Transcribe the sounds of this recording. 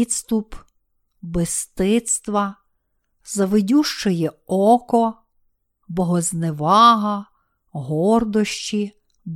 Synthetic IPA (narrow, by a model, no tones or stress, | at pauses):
d̪st̪up | best̪ɪt̪st̪ʋɐ | zɐʋɪdʲuʃt͡ʃɔjɛɔkɔ | bɔɦɔzneʋɑɦɐ | ɦɔrd̪ɔʃt͡ʃi | b